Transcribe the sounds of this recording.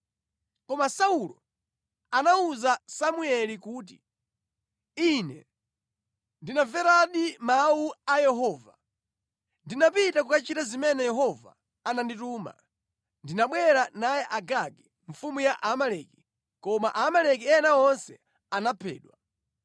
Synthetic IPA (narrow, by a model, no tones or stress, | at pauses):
kɔmasaulɔ | anauzasamuɛlikuːt̬i | inɛ̰ | ndinavɛɾaɗimauajɛɦɔːva | ndinapitakukat͡ʃitazimɛnɛjɛɦɔva̰ | anandituma̰ | ndinaɓwɛɾanajɛʔaɡaɡɛ | ɱ̩fumujaʔamalɛki | kɔmaʔamalɛk̬iɛnaɔnsɛ | anapʰɛ̰ːɗwa